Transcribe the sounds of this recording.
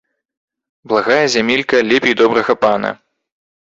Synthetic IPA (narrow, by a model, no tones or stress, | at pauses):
blˠaɣajɐzʲamʲilʲkɐlʲɛpʲejd̪ɔbɾɐɣɐpanɐ̰